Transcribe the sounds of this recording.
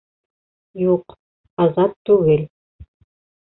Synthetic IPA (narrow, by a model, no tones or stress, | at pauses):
juq | ɑzɑt̪ːʉɡɘl